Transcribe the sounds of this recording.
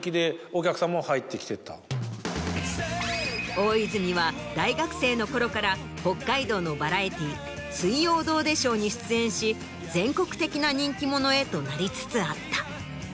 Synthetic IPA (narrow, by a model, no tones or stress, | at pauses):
kʲid̪e̞okʲakɯ̟̥sãmːohait̪ːe̞kʲi̥t̪e̞t̪a̰ | o̞ːizɨɲ̟iβad̪aiɡakɯ̟̥se̞ːno̞ko̞ɾo̞kaɾa | ho̞kːaid̪o̞ːno̞baɾait̪ʲiː | sɨijo̞ːd̪o̞ːd̪e̞ɕo̞ːɲ̟iɕɨ̥t͡sɨẽ̞ɰ̃ɕi | d͡zẽ̞ŋko̞kɯ̥t̪e̞kʲinaɲ̟ĩŋkʲimo̞no̞e̞t̪o̞naɾʲit͡sɨ̥t͡sɨat̪ːḁ